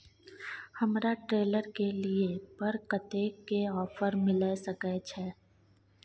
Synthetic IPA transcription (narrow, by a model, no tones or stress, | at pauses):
hɐmɾaʈɾeːləɾkeliepɐɾkət̪ekeɔːfəɾmɪlasɐkɛt͡ʃʰɛː